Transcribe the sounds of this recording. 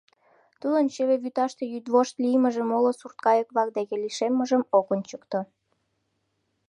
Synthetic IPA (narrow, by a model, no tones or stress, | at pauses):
t̪ud̪ənt͡ɕeβeβyt̪ɑʃt̪e̽jyd̪βoʃt̪lijməʒemolosurt̪̚kɑjəkβɑk̚d̪ekeliʃemːə̆ʒəmokonʲt͡ɕəkt̪o